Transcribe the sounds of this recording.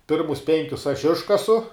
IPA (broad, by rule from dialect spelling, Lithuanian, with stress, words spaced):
ˈpʲɪrmʊs ˈpʲɛŋʲkʲʊs ɐʃ ˈɪʃkɐsʊ